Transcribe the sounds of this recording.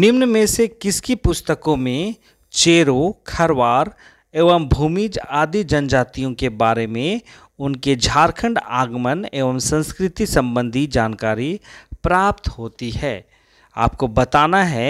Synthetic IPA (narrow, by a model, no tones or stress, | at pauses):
nɪmnəmẽsekɪskipʊst̪əkõmẽ | t͡ʃeːɾokʰɐɾʋaːɾ | eːʋəmbʱuːmid͡ʒaːd̪id͡ʒɐnd͡ʒaːt̪ijõkebaːɾemẽ | ʊnked͡ʒʱaːɾkʰə̃ɳɖaːɡməneːʋəmsə̃nskɾɪt̪isɐ̃mbə̃nd̪ʱid͡ʒaːnkaːɾipɾaːp̚t̪ɦoːt̪iɦɛː | a̰ːp̚kobɐt̪aːnaɦɛ